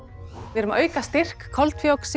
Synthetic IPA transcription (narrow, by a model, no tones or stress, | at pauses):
vɛːɾʏmœːɥkast̪ɪr̥kʰːɔlt̪fjowks